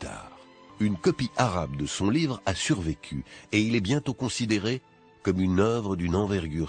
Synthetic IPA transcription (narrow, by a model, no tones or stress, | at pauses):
t̪a̰ʁynkɔpiʔaʁab̚d̪əsɔ̃livʁasyʁvekʲʰyeilɛbjɛ̃t̪okɔ̃sid̪eʁe | kɔmynœvʁəd̪ynɑ̃vɛʁɡʲyːʁ